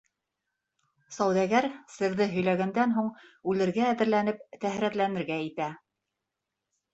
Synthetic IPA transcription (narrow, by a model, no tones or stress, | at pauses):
sɑwðæɡæɾsɘ̆ɾðɘɦɵ̆jlæɣænd̪ænɦuɴʉlɘ̆ɾɡæːðɘ̆ɾlænɘp̚t̪æhɾæt̪lænɘ̆ɾɡæit̪æ